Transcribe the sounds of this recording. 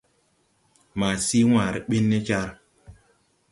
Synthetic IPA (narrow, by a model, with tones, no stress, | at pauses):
ma˨si˦w̃aː˨ɾe˨ɓi˦nːe˦t͡ʃa˦ɾ